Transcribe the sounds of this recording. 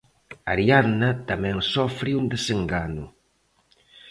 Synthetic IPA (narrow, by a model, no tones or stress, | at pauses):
a̰ɾianat̪amɛ̃ŋsɔfɾɪund̪eseŋɡanʊ